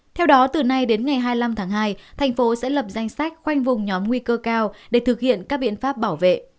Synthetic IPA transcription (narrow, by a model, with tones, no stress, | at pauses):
t̪ʰɛ˧wɗɔ˨˦t̪ɨ˨˩na˧jɗe˨˦nŋa˨˩jɦaː˧jla˧mt̪ʰaː˨˦ŋɦaː˧jt̪ʰɛ˨˩jŋ̟fo˨˦sɛ̰˧˥lə˨˩p̚za˧jŋ̟sa˦˥k̟̚xwa˧jŋ̟vʊ˨˩ŋ͡mɲɔ˨˦mŋwi˧kəː˧kaː˧wɗe˧˩t̪ʰɨ˨˩k̚hḭ˧˨ənkaː˦˥k̚ɓḭ˧˨ənfaː˦˥p̚ɓaː˧˩wvḛ˧˨